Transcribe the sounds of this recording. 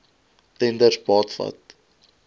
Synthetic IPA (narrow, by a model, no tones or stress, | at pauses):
tɛndərsbɑːtfɐ̰t̚